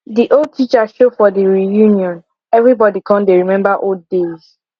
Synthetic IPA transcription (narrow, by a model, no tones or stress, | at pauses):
diʔold̚tʰit͡ʃaʃofɔdiɹijunjɔ̃n | ɛvɹibɔdikʰɔ̃ndeɹimɛ̃mbaʔolddez̥